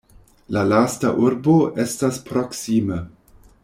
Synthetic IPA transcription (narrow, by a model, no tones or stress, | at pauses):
lalastaʔuɾbo̞ʔe̞staspɾoksime